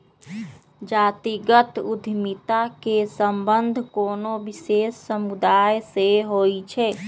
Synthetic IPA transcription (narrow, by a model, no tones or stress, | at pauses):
d͡ʒat̪iɡət̪ṵd̪ʱmit̪akesəmbənd̪ʱkoːnobisesːəmud̪ajseɦojt͡ʃʰɛ